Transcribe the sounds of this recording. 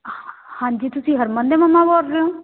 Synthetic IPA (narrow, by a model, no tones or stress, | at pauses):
hãːɲd͡ʒit̪ʊsĩɦəɾmənd̪emɐmːãboɾɾeɦõː